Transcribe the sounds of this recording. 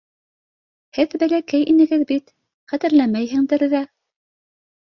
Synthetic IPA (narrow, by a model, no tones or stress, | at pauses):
hɘðbælækæjʔinɘ̆ɡɘðbit̪ | χæt̪ɘ̆ɾlæmæjɦɘ̆ŋd̪ɘɾðæ